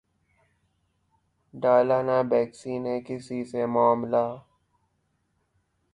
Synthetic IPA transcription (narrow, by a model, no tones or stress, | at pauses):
ɖaːlaːnabɛːksiːnekɪsisemaːmlaː